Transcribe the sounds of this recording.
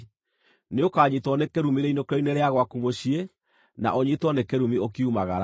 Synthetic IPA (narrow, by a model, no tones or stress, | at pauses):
neokaːɲitwɔnekeɾumiɾeinokeɾɔineɾeaɣwakumoɕie | na̰ʔoɲitwɔnekeɾumiokiumaɣaɾa